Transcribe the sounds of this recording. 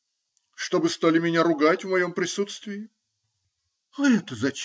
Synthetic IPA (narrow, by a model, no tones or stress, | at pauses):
ʂt̪o̞bɨst̪alʲɪmʲɪnʲaɾʊɡatʲvmɐjo̞mpɾʲɪsut̪st̪vʲɪɪ | ɐɛt̪əzɐt͡ɕ